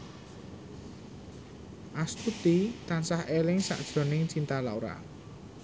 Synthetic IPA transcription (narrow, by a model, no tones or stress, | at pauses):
ʔast̪ut̪it̪ansahelɪŋsa̰ʔd̥ʒ̥ɾɔ̤nɪŋt͡ʃint̪alaoɾa̰